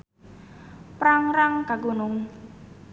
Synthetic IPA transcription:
pɾaŋɾaŋkaɡonʊŋ

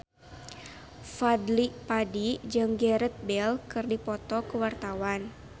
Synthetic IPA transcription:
fadlipadid͡ʒɨŋɡɛɾɛt̪̚bɛlkɨrdipɔt̪ɔkəwart̪awan

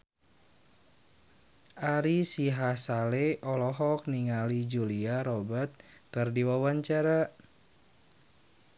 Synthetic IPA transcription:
aɾisiɦasaleʔɔlɔɦɔk̚niŋalid͡ʒuliaɾɔbat̪̚kɨrdiwawaɲt͡ʃaɾa

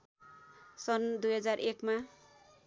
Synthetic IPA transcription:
sʌnd̪ujɦʌd͡zarʔekma

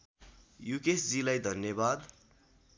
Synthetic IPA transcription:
jukesd͡zilajd̪ʱʌnjʌbad̪

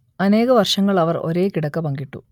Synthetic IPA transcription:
ɐne̞ːɣɐʋɐrʂɐŋːɐɭɐʋɐro̞̰ɾe̞ːkiɽɐkːɐpɐŋɡiʈːṵ

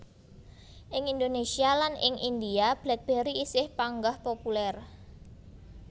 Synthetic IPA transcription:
ʔɪŋind̪onesialanɪŋʔind̪iab̥lɛt̪̚b̥e̤ɾiːsɪhpaŋɡahpopulɛr

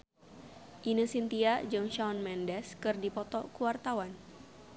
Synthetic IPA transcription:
ʔinɨsint̪iad͡ʒɨŋʃaɔnmɛndɛskɨrdipɔt̪ɔkuwart̪awan

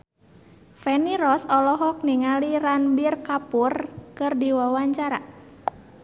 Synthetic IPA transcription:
fɛniɾɔsɔlɔɦɔk̚niŋaliranbirkapurkɨrdiwawaɲt͡ʃaɾa

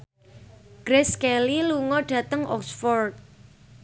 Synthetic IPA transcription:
ɡ̥ɾeskɛliluŋɔɖ̥ä̤t̪əŋʔɔ̰ksfɔrt̪̚

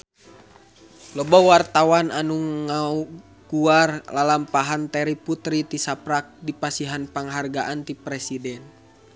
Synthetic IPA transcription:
lɔbawart̪awananuŋau | kuarlalampaɦant̪ɛɾiput̪ɾit̪isapɾak̚dipasiɦanpaŋɦarɡaʔant̪ipɾɛsidɛn

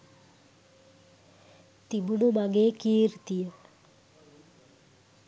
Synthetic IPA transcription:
t̪ibunomaɡekiːɾt̪ijə

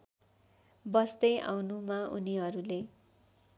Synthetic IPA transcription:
bʌsd̪ʌjʔa̰wnumaʔṵniɦʌɾule

